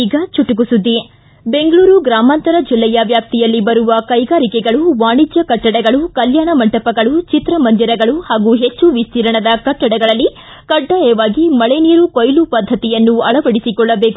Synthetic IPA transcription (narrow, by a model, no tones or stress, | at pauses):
iːɡɐt͡ʃuʈuɡusud̪ːi | be̞ŋɡɐɭuːɾuɡɾaːmaːnt̪ɐɾɐd͡ʒilːɛjɐʋjaːp̚t̪ijɐlːibɐɾuʋɐkɐjɡaːɾikɛɡɐɭuʋaːɳid͡ʒjɐkɐʈːɐɽɛɡɐɭukɐljaːɳɐmɐɳʈɐpɐɡɐɭut͡ʃit̪ɾɐmɐnd̪iɾɐɡɐɭuhaːɡuɦet͡ʃːuʋist̪iːɾɐɳɐd̪ɐkɐʈːɐɽɛɡɐɭɐlːi | kɐɖːajɛʋaːɡimɐɭeniːɾukojlupɐd̪ʱːɐt̪ijɐnːuɐɭɐʋɐɽisikɔɭːɐbe̞ːku